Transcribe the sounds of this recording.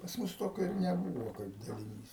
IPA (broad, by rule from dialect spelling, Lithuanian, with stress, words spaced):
pɐs ˈmʊs ˈtoːkʲoː ɪr nʲɛˈbuːʋoː kɐɪp dɐlʲɪˈnʲiːs